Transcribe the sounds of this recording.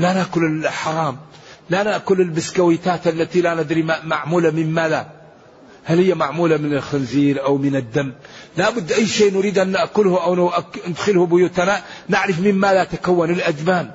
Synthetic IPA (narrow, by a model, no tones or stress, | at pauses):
lanaʔkʊlɪlħɑɾˤɑːmlanaʔkʊlɪlbɪskawɪt̪aːt̪ʔalːat̪ilanɪd̪ɾimaʕmuːlamɪnmaːða | halhɪjːamaʕmuːlamɪnɪlxanziːɾʔawmɪnɪd̪ːamːlabʊd̪ːʔajːʃeːʔnʊɾiːd̪ʔanːaʔkʊlhʊʔawnʔaɪd̪xɪlhʊbʊjuːt̪ananɪʕɾɪfmɪmmaːðat̪akawːanɪlʔad͡ʒbaːn